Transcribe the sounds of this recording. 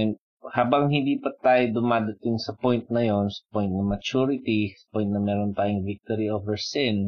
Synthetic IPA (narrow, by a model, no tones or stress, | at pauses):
n | haːbɐŋhɪnd̪iːpɐt̪aːjod̪ʊmaːd̪ɐt̪ɪŋsɐpojnt̪̚nɐjo̞nsɐ̥pojnnɐmɐt͡ʃuːɾɪt̪isɐ̥pojnt̪nɐmɛːɾont̪aːjʊŋvik̚t̪oɾiofhɛɹsɪn